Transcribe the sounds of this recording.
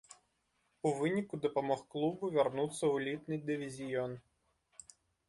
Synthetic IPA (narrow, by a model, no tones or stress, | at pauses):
uvɨnʲikud̪ɐpɐmɔxklˠubʊvʲarnut̪sːɐulʲit̪nɨd̪ɪʋʲizʲijɔn